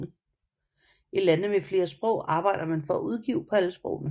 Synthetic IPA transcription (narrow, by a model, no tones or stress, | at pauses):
ilænðəmefle̝ːɐsb̥ʁɔʊ̰ɑ̈ːb̥ɑ̈ɪ̰d̥ɐmænfɒ̽æʔuð̞ˠɡ̥iːʊ̰pʰɒ̽æləsb̥ʁɔ̰ʊnə